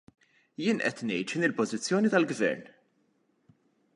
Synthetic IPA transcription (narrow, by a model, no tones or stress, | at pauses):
jɪːnʔɛ̰t̪nɛjt̪ʃɪnɪlpɔzɪt͡sːjɔːnit̪ɐlɡvɛ̰ɾn